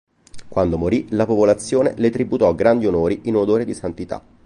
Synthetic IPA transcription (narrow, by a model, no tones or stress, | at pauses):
kwand̪omoɾilapopolat̪sːjoːnḛlet̪ɾibut̪ɔɡɾand̪ionoːɾiinod̪oːɾed̪isant̪it̪a̰